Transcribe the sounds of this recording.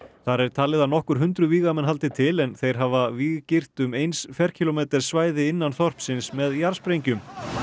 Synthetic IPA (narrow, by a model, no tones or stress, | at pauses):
θaɾɛɾ̥t̪ʰaːlɪðanɔhkʏɾ̥ɦʏnt̪ɾʏviːɣamɛnɦalt̪ɪt̪ʰɪlɛnθejɾ̥ɦavaviɣcɪr̥t̪ʏmejnsfjɛr̥cʰɪlomɛːt̪ɛɾ̥svaːjðɪɪnːanθɔr̥psɪnsmɛðjaɾ̥spɾejɲcʏm